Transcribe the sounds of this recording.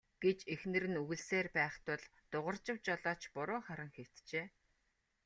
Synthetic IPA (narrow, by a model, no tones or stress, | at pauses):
ɡ̥et͡ɕexnɘ̆ɾɘ̆nuɣɘ̆ɮseːrpæːχt̪ʊɮt̪ʊʁə̆rt͡ɕɪ̆wt͡ɕɔɮɔːt͡ɕpʊɾʊːχaɾə̆ŋxew̥t̪t͡ɕeː